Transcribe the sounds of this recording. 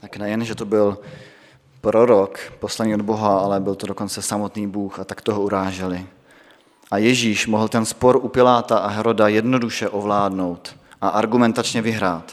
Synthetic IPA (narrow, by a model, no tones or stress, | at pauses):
t̪aknɛjɛnʒɛt̪obɪl | pɾo̞ɾokpo̞slaniːod̪bo̞ɦaalɛbɪlt̪odoko̞nt͡sɛsamo̞t̪niːbuːxat̪akt̪oɦouɾaːʒɛlɪ | ʔajɛʒiːʃmoɦl̩t̪ɛnspo̞ɾʔupɪlaːt̪aʔaɦɛɾo̞dajɛdno̞duʃɛʔovlaːdno̞wt̪ | ʔaʔaɾɡumɛnt̪at͡ʃɲɛvɪɦɾaːt̪